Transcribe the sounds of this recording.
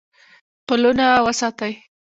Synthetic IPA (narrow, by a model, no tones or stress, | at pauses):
pəlunawəsɑt̪aj